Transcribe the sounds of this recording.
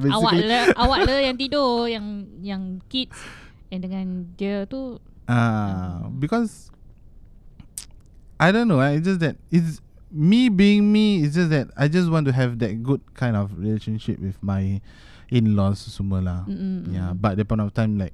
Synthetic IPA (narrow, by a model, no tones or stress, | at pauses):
beawailəawaʔləjãŋt̪idojãŋjãŋkit̚sɛ̃ndəŋãndiət̪u | ʔa | bikɔs | ʔajdõnːoaisd͡ʒas̬dɛt̚its | mibiĩŋmiɪs̬d͡ʒas̬dɛt̚ajd͡ʒas̬wɔ̃ntuɦɛvdɛt̚ɡud̚kʰãj̃ndɔfɹileʃə̃nʃḭp̚wifmaj | ĩnlɔsːuməlajabat̚dɛpãtɔftãɪ̃mlaɪk̚